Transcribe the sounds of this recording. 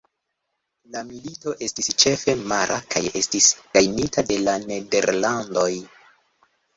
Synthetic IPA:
lamilito̞ʔe̞stist͡ʃe̞fe̞maɾʔa̰kʰaje̞̰stisɡ̥ajnitade̞lane̞de̞ɾlando̞j

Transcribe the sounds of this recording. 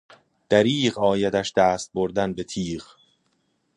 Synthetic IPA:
d̪̥æɾiːɢɒːjæd̪æʃd̪æːst̪̚boɾd̪ænbe̞t̪ʰiːʁ

